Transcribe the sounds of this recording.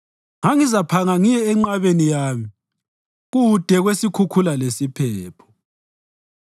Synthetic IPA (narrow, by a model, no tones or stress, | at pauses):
ŋaŋizapʰaŋaŋijɛːŋ͡ǃaβenijaːmi | ɣuud̥ʱɛɣwesikʰukʰulalesipʰɛːpʰɔ̥